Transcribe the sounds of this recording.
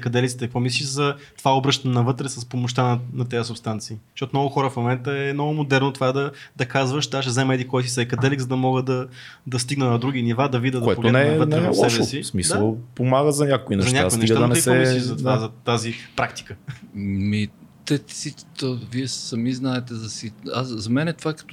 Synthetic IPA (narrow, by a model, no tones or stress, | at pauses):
ɛkɐd̪ɛlʲit̪sit̪ɛkəkvɔmis̬liʃzɐt̪ovaobɾɤʃt̪ɐnɛnɐvɤt̪ɾɛsəspomoʃt̪anɐnɐt̪ɛjəsʊpst̪ant̪siːʃɔt̪omnɔɡʊxɔɾəfmomɛnt̪əɛmnɔɡʊmod̪ɛɾnot̪ovad̪ɐd̪ɐkazvəʃt̪aʃ̬ɛzɛmɛd̪ikɔjs̬isɐɛkɐd̪ɛliɡzɐd̪ɐmɔɡəd̪ɐ | d̪ɐst̪iɡnənɐd̪ɾuɡ̟inivad̪ɐvid̪əd̪oɛpoɡ̪t̪ɛnɛɛənɾɛɐfssɛvɛsismisd̪əlˠpomaɡəzɐnʲakoinɛʃzɐnʲɲakaoiniɡəaɐnɛɾisoɛisizɐt̪vazɐt̪azipɾakt̪i̥kəmit̪ɛsi̥t̪oviɛsɐmiznaɛt̪ɛzɐsiaszɐmɛnɛt̪ovakɐ̥t̪